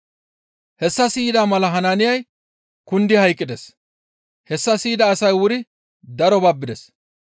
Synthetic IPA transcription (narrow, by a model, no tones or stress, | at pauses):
hɛsːɐsiːd̪aːmɐlɐɦɐnanɪjɐj | kʊnd̪ɪhɐjkʼːɪd̪ɛs | hɛsːɐsiːd̪ɐːsɐjwʊɾɪ | d̪ɐɾɔbabːɪd̪ɛs